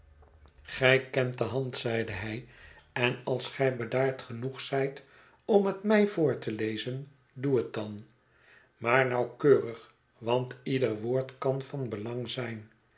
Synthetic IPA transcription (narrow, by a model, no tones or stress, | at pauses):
χɛjkɛnt̚dəɦɑntsɛjdəɦɛjɛnɑlˠsχɛjbədaːɹtχənuχsɛjt | ɔmɦətmɛjvʊːɹtəlejzən | duɦət̚dɑn | maːɹnɑwkøːrəχ | ʋɑntidərʋʊːɹtkɑnfɑnbəlɑŋzɛjn